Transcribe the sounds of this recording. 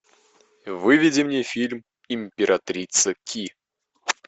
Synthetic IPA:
vɨvʲidʲɪmnʲefʲilʲm | ɪmʲpʲɪɾʔat̪ɾʲit̪səkʲʰi

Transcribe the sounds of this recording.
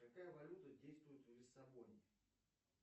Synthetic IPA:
kɐkajəvɐlʲut̪ədʲejst̪vʊjɪt̪vlʲɪsːɐbonʲɪ

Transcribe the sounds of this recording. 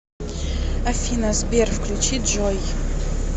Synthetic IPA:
afʲinazbʲerfklʲut͡ʃit̪ʒɔj

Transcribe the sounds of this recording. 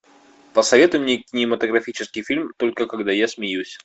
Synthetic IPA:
pəsɐvʲe̞t̪ʊjɪmnʲekʲɪnʲɪmət̪əɡɾɐfʲit͡ɕɪskʲɪjfʲilʲmt̪o̞lʲkəkɐɡd̪ajasmʲɪjusʲ

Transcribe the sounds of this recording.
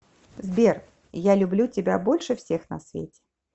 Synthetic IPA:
zbʲer | jalʲʊblʲutʲɪbʲabolʲʂɨfsʲexnɐ̰svʲḛtʲɪ̥

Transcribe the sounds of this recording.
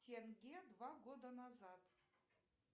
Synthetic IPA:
t̪ʰʲeŋɡʲed̪vɑɡod̪anazɑt̪

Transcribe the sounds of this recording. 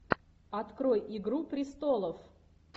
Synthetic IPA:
ɐt̪kɾo̞jɪɡɾupɾʲɪst̪olˠəf

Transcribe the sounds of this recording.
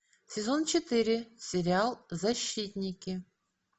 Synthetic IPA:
sʲɪzont͡ɕɪt̪ɨɾʲɪsʲeɾʲɪalˠzɐɕːit̪ʲnʲɪkʲɪ

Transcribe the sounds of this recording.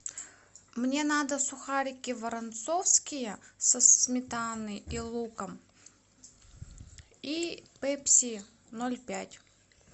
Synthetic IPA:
mnʲe̞nad̪əsʊxaɾʲɪkʲɪvəɾɐnt̪sofskʲɪjəsəsmʲɪt̪anɨilˠukəm | ipɛpsʲi | nolʲpʲætʲ

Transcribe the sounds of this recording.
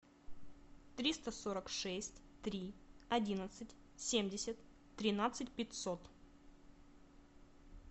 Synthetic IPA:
t̪ɾʲist̪əsoɾəkʂɛsʲtʲt̪ɾʲiɐdʲinət̪sɨtʲ | sʲemʲdʲɪsʲət̪ | t̪ːɾʲɪnat̪sɨtʲpʲɪtʲso̞t̪

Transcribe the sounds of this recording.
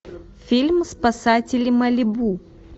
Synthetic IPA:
fʲilʲmspɐsatʲɪlʲɪmɐlʲɪbu

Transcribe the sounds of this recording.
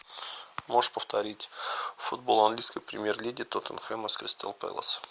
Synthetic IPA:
moʐpəft̪ɐɾʲitʲfud̪bolˠɐnɡlʲijskəjpɾʲɪmʲjerlʲedʲɪt̪ot̪ənxɛməskɾʲɪst̪ʰa̰lˠpɛ̰lˠə̰s

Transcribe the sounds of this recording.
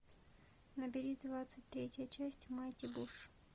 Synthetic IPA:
nəbʲɪɾʲid̪vat̪sɨtʲt̪ɾʲetʲjət͡ɕæsʲtʲmajtʲɪbuʂ

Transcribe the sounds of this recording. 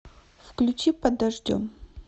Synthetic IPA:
fklʲʊt͡ɕipɐd̪ɐʐdʲo̰m

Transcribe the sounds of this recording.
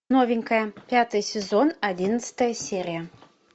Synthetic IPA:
novʲɪŋʲkəjəpʲat̪ɨjsʲɪzonɐdʲinət̪sɨ̥t̪əjəsʲeɾʲɪjə

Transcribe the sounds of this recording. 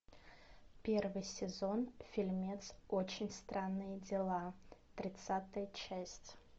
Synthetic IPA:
pʲervɨjsʲɪzo̞nfʲɪlʲmʲet̪sot͡ɕɪnʲst̪ɾʔanːɨjəd͡zʲɪlˠat̪ɾʲɪt̪sat̪ɨjət͡ɕæsʲtʲ

